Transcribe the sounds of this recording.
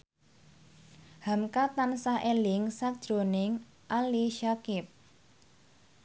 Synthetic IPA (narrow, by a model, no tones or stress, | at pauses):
hamkat̪ansaʔelɪŋsak̚d̥ʒ̥ɾo̤nɪŋ | ʔaliʃakɪp̚